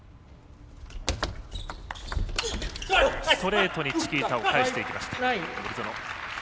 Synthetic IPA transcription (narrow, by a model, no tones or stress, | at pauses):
st̪o̞ɾe̞ːt̪o̞ɲ̟it͡ɕi̥kʲiːt̪aokaeɕt̪e̞ikʲimaɕi̥t̪aoɾit̪ono